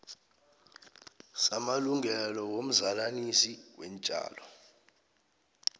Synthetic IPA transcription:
samaluŋʱɛlɔwom̩zalanisiwɛnt͡ʃʼa̰ːlɔ

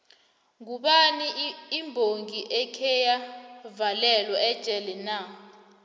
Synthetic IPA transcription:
ŋuɓaniːmbʱoŋiʔɛkʰɛjavalɛlwɔɛd̥t͡ʃʼɛlɛna

